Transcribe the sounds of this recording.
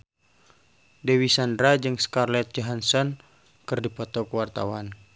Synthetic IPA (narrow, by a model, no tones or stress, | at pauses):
dewisandɾad͡ʒɨŋskarlɛt̪̚d͡ʒaɦansɔn | kɨrdipɔt̪ɔkəwart̪a̰wan